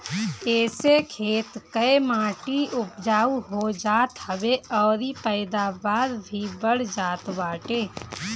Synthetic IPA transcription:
ɛːsekʰeːt̪kəemaːʈiʊpd͡ʒaːuɦod͡ʒaːt̪həʋeɔːɾipəːd̪aːbaːɾbʱibəɽd͡ʒaːt̪baːʈeː

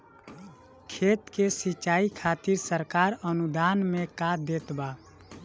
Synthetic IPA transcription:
kʰeːt̪kesit͡ʃaːikʰaːt̪iɾsəɾkaɾənud̪aːnmẽkad̪eːt̪ba

